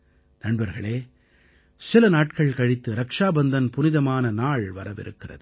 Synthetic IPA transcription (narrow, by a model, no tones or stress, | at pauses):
nɐɳbɐɾɣɐɭeː | sɪlɐnaːʈ̚kɐɭkɐɻɪt̪ːɯɾɐkʂaːbɐnd̪ɐnpʊnɪðɐmaːnɐnaːɭʋɐɾɐʋɪ̰ɾɯ̰kːɪrɐ̰ðɯ